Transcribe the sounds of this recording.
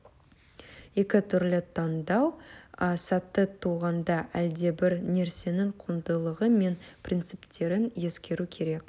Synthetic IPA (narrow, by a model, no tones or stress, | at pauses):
je̞kʲɪt̪ʰʏɾlɪt̪ʰɑnd̪ɑwəsɑt̪ːət̪ʰuʁɑnd̪ɑʔæld̪e̞bɪɾne̞ɾse̞nɪŋqʰund̪əlˠəʁəme̞nprʲint̪sɨpt̪e̞ɾɪnje̞skʲe̞ɾukʲʰe̞ɾe̞k